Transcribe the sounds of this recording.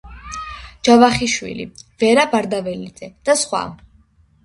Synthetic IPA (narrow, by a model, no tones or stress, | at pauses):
d͡ʒavaχiʃwḭlḭv̥ɛɾabaɾd̪avɛlid̪zɛd̪̥asχwa̰